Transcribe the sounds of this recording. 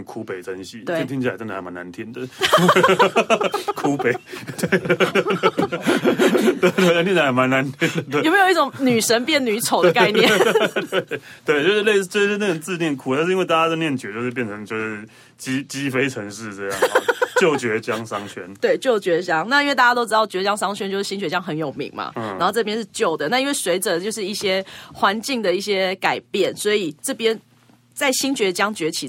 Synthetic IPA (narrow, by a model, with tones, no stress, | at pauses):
kʰu˧˥pe˨˩ɪt͡sʰə˧˦ŋɕi˥˩o˥˨t̪ʰi˥ŋt͡ɕʰi˥˩˨t͡ɕna˨˥˩ma˨˦na˨˦nt̪ʰiɛ˧˥nd̪ə˨ | kʰu˦pe˨˩ɪt̪we˥˩ɪ | t̪we˥˩ɪt̪we˥˩˨a˥t̪ʰi˥˧na˧˥˩ma˧˦na˧˦nt̪ʰɛ˦˥nd̪ə˨˧˩ʊme˦˥jo˨˩i˥˩o˧˦ŋny˨˩ʂə˦˥npjɛ˥˩nny˧˥t͡sʰo˨˩ʊd̪ə˧ka˧ɪnjɛ˥˨t̪e˥˩ɪt̪we˥˨ɪt͡ɕjo˥˧ʊʂ̩˥˧le˥˧t͡ɕjo˥˧ʂ̩˥˧˥na˥˩ə˨˩t͡sɹ̩˥˧njɛ˥˩nkʰu˨˩t̪a˥˧nʂ̬ɻ̩˥˧i˥nwe˥˧ɪa˥˩t͡ɕa˥a˥˧ɪnjɛ˥˩nt͡ɕɥɛ˧˥˦t͡ɕjo˥˧ʂ̬̩˥˧p̬jɛ˥˩nʈ͡ʂʰə˧˦ŋt͡ɕjo˥˧ʂ̩˥˩ | t͡ɕi˦˥t͡ɕi˦fe˥ɪʈ͡ʂʰə˧˦˥ŋʂɻ̩˥˧ʈ͡ʂɤ˥˧jɑ̰˥˩ŋ˥˦t͡ɕjo˥˨˩ʊt͡ɕɥɛ˧˦˥t͡ɕjɑ˦ŋsɑ˦ŋt͡ɕʰɥɛ˦˥nt̪we˥˩ɪt͡ɕjo˥˩ʊt͡ɕɥɛ˧˥t͡ɕjɑ˥ŋna˥˧i˥nwe˥˧ɪt̪a˥˩t͡ɕa˥t̪o˥ʊʈ͡ʂɻ̩˧˥d̪ɑ˥˩ʊt͡ɕɥɛ˧˥t͡ɕjɑ˥ŋʂɑ˥ŋt͡ɕʰɥɛ˥nt͡ɕjo˥˧ʂɻ̩˥˩ɕi˥nt͡ɕɥɛ˧˥t͡ɕjɑ˦ŋxə˧˥njo˨˩ʊmḭ˧˦ŋma̰˨na̰˨˥nxo˥˧ʊʈ͡ʂɤ˥˧p̬jɛ˥nʂ̬ɻ̩˥˧t͡ɕjo˥˨˩ʊd̪ə˩na˥˧i˥nwe˥˩swe˧˥ɪʈ͡ʂə˨t͡ɕjo˥˧ʂ̬ɻ̩˥˧i˥˩ɕjɛ˦˥xwa˧˦nt͡ɕi˥˩ŋd̪ə˩i˥˩ɕjɛ˦˥ka˨˩ɪpjɛ˥˩nswɔ˧˥i˨˩ʈ͡ʂɤ˥˩pjɛ˦n | t͡sa˥˩ɪɕi˥nt͡ɕɥɛ˧˥t͡ɕjɑ˦ŋt͡ɕɥɛ˧˥t͡ɕʰi˨˩